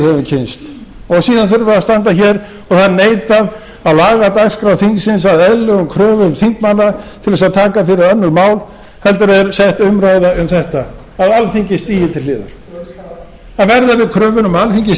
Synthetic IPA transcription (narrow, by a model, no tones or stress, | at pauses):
hɛvʏmcʰɪnst̪ɔɣsiːðanθʏɾvʏɾast̪ant̪açɛɾ | ɔɣθaðɾneːjt̪að | aðlaːɣat̪akskɾawθiŋksɪnsaðɛðlʏɣʏmkʰɾœːvʏʏmθiŋkmanːat̪ʰɪlðɛsaðt̪ʰaːkafɪɾɪɾœnːʏɾmaːwl | hɛlt̪ʏɾɛɾsɛht̪ʏmɾajðaʏmθɛht̪a | aðalθiɲcɪst̪iːjɪt̪ʰɪllɪːðʏ̰ɾ̥ | aðvɛɾðavɪðkʰɾœːvʏnʏmalθiɲcɪ